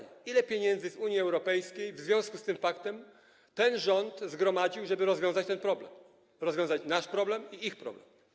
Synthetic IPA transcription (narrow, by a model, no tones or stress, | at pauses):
ilɛpʲjeɲɛnd̪zɘzuɲjiɛwɾɔpɛjskʲejvzvʲjɔ̃w̃skust̪ɘmfakt̪ɛm | t̪ɛnʐɔnt̪zɡɾɔmad͡ʑiwʐɛbɘɾɔzvʲjɔ̃w̃zat͡ɕt̪ɛnpɾɔblɛm | ɾɔzvʲɔ̃w̃zat͡ɕnaʂpɾɔblɛmiixpɾɔ̰blɛm